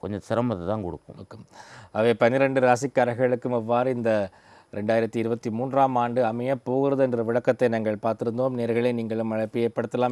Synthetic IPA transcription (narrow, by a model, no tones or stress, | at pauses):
kɔ̰ɲd͡ʒɐ̃sɪɾɐmɐðɯt̪ːãːnkɔɽɯkːɯ̰okːɯmʔɐʋeːpɐnɪɾɛɳɖɯɾaːsɪkːaːɾɐɣɐɭɯkːɯmɛʋːaːɾɯɪnd̪ɐ | ɾɛɳɖaːjɪɾɐt̪ːiɪɾɯbɐt̪ːimuːndraːmaːɳɖɯɐmɐjɐpːoːɣɯɾɐðɯɛndrɐʋɪɻɐkːɐt̪ːɐɪnaːŋɡɐɭpaːɾt̪ɪɾɯnd̪oːmneːɾɣɐɭeːniːŋɡɐɭɯmɐɻɐɪpːɯeːɾpːɐɽɯt̪ːɐlaːm